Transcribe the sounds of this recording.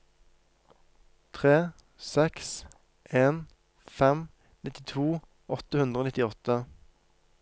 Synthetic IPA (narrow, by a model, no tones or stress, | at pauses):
t̪ʰʁeː | sɛks | ʔeːn | fɛm | nʔɪt̪ɪt̪ʰuː | ɔt̪əhʉnd̪ʁəoːnɪt̪ɪɔt̪ə